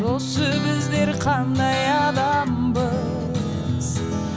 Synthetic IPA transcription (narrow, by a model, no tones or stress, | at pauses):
osəbɪzd̪e̞ɾqʰɑnd̪ɑjɑd̪ɑmbə | z̥